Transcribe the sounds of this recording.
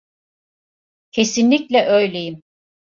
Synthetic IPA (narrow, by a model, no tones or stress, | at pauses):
cʰe̞sinlʲiclʲɛʔøjlʲe̞jim